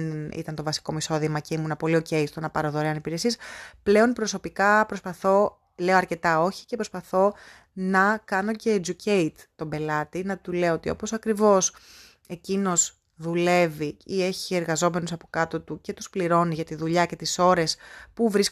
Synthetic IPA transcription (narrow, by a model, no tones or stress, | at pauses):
nḭt̪ɐnt̪o̞vɐsi̥ko̞miso̞ðimɐceimunɐpo̞lio̞ce̞ist̪onɐpɐɾoðoɾeɐnipiɾe̞siesple̞o̞npɾo̞so̞pikɐpɾo̞spɐθo̞ | le̞oɐɾce̞t̪ɐo̞çi̥ce̞pɾo̞spɐθo̞ | nɐkɐno̞ce̞ːd͡ʒuce̞t̪ːo̞be̞lɐt̪inɐt̪ule̞oot̪io̞̰po̞sɐkɾivo̞s | e̞cino̞z | ðule̞viie̞çie̞ɾɣɐzo̞me̞nusɐpo̞kɐt̪ot̪uce̞t̪uspliɾo̞niʝɐt̪iðuʎɐce̞t̪iso̞ɾe̞spuvɾis